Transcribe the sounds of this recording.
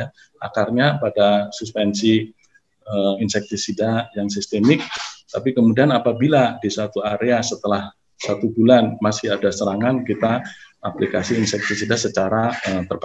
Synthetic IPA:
a | a̰karɲapadasuspɛnsi | əinsɛk̚t̪isidajaŋsist̪emɪk̚t̪apikəmudianapabiladisat̪uaɾeasət̪əlah | sat̪ubulanmasɪadasəɾaŋankit̪aaplikasiːnsɛk̚t̪isidasət͡ʃaɾaət̪ərb

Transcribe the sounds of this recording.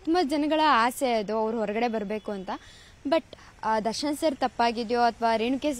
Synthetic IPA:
t̪ʰɐmɐd͡ʒɐnɐɡɐɭɐaːseɐd̪uɐʋɐɾuɦɔɾɐɡɐɽe̞bɐɾbe̞ːkuɐnt̪ɐ | bɐʈ | d̪ɐʂɐnɐsɐɾt̪ɐpːaːɡid̪joɐt̪ʰɐʋaːɾiːɳuke

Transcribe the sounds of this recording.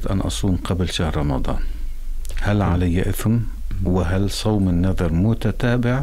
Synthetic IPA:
t̪ʔanʔɑ̰sˤuːmqablʃahɾˤɾˤɑmɑd̪ˤɑ̰ːn | halʕalajːaʔɪθm | wɪɦalsˤɑwmɪnːɑðˤɑɾˤmʊt̪at̪aːbɪʕ

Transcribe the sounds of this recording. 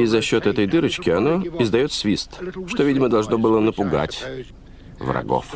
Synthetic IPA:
izɐɕːo̞t̪ɛt̪əjd̪ɨɾət͡ɕkʲɪɐno̞ɪzd̪ɐjo̞t̪svʲist̪ʂt̪o̞vʲidʲɪməd̪ɐlˠʐno̞bɨlˠənəpʊɡa̰tʲ | vrɐ̰ɡo̞̰f

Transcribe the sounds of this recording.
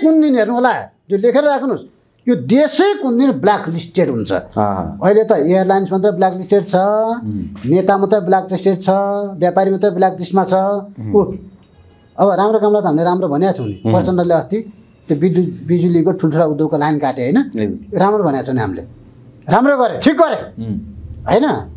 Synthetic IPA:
kund̪inɦernuɦola | d͡zolekʰeɾʌakʰnus | jod̪esʌjkund̪inblaklisʈeʈɦunt͡sʰʌ̰ʌilet̪ʌejʌrlajnsmat̪ʌblaklisʈeɖt͡sʰʌ | net̪amʌt̪ʌblakrisʈeʈt͡sʰʌbjapaɾimat̪ʌblak̚dismat͡sʰʌu | ʌβʌɾamɾokamlat̪ʌɦamileɾamrobʱʌnjat͡sʰʌwnipʌrt͡sʌndʌleʌst̪i | t̪jobid̪bid͡zulikoʈʰulʈʰuɽaud̪joɡ̚kolajnkaʈeɦʌjnʌjoɾamrobʱʌnjat͡sʰʌwniɦa̰milḛ | ramroɡʌɾeʈʰikːɡʌɾe | ɦʌjnʌ

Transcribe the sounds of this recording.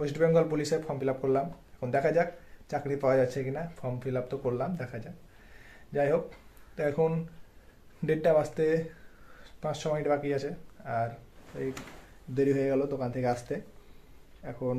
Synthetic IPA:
osʈbeŋɡɔlp̬uliʃefʰɔmfʰilap̚koɾlamɛkʰond̪ɛkʰad͡ʑakt͡ɕakɾipawad͡ʑatːɕʰekinafʰɔmfʰilap̚t̪okoɾlamd̪ɛkʰad͡ʑak | d͡ʑajɦokt̪ɛkʰon | ɖeʈʈabast̪e | pãt͡ɕʃʰɔmɔʈbakijat͡ɕʰeaɾi | d̪oɾiɦojeɡɛlod̪okant̪ʰekeast̪e | ɛkʰon

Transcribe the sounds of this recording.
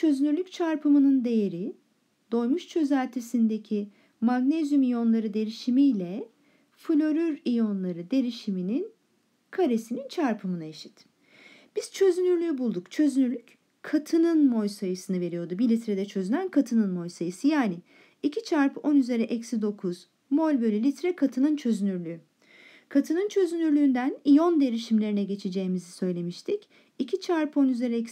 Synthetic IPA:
t͡ʃʰø̞zynyɾlʲyc̚t͡ʃʰaɾpʰɯmɯnɯnd̪e̞je̞ɾi | d̪̥o̞jmuʃt͡ʃʰø̞zælʲt̪ʰesind̪e̞cʰi | maɡnezjumijo̞nlˠaɾɯd̪e̞ɾiʃimijlʲɛ | fɯlʲo̞ɾyɾijo̞nlˠaɾɯd̪e̞ɾiʃiminin | kʰaɾe̞sinint͡ʃʰaɾpʰɯmɯnaeʃi̥t̪ | b̥iz̥t͡ʃʰø̞zynyɾlʲyjbulˠd̪ukt͡ʃʰø̞zynyɾlʲyc | kʰːat̪ʰɯnɯnmo̞jsajɯsɯnɯve̞ɾijo̞d̪ubilʲit̪ɾed̪ɛt͡ʃʰø̞zynænkʰat̪ʰɯnɯnmo̞jsajɯsɯjaːni | icʰit͡ʃʰaɾpʰɯo̞nyze̞ɾɛʔɛcsid̪o̞kʰuz̥ | mo̞lʲbø̞lʲylʲit̪ɾɛkʰat̪ʰɯnɯnt͡ʃʰø̞zynyɾlʲyy | kʰat̪ʰɯnɯnt͡ʃʰø̞zynyɾlʲyːnd̪ænijo̞nd̪e̞ɾiʃimlʲe̞ɾinɛɟe̞t͡ʃʰed͡ʒe̞ːmizisø̞jlʲe̞miʃt̪ʰic | icʰit͡ʃʰaɾpo̞nyze̞ɾɛɛks

